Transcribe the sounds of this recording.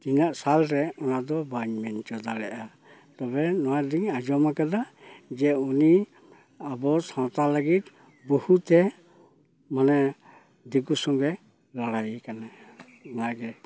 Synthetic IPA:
t̪inaʔsalɾɛɔnad̪ɔbaɲmɛnd͡ʒɔd̪alɛʔa | t̪ɔbɛnɔwad̪iŋad͡ʒɔmakad̪ad͡ʒɛuni | abɔsãwt̪aləɡit̪ | bɔhut̪ɛ | manɛ | d̪ikusɔŋɡɛ | laɽajkanɛ | ɔnaɡɛ

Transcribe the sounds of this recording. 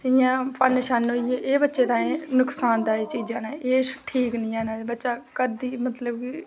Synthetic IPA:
ɪjãːpənʃanɦoːieːʔeːbətːʃeːd̪ãːẽːnʊksaːnd̪aːiːt͡ʃiːd͡ʒãːnaːeːʃʈʰiːknĩːaːnaːbətːʃaːkəd̪iːmət̪ləbki

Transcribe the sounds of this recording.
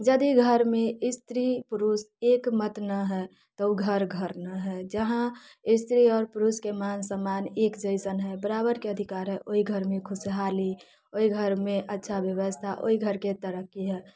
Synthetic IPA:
d͡ʒəd̪iɡʱəɾmẽɪst̪ɾipʊɾus | eːkmət̪nəɦɛ | t̪ɔuɡʱəɾɡʱəɾnəɦɛd͡ʒəɦã | ɪst̪ɾiɔːɾpʊɾuskemaːnsəmanekd͡ʒəɪsənɦɛbəɾabəɾkeəd̪ʱikaɾɦɛʔoiɡʱəɾmẽkʰʊsɦali | oiɡʱəɾmẽʔətːʃʰabjəʋəst̪ʰaʔo̰ːiɡʱəɾket̪əɾəkːiɦɛː

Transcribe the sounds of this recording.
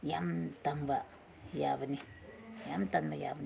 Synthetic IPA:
jamtanba | jabanijamtanbaja̰bn

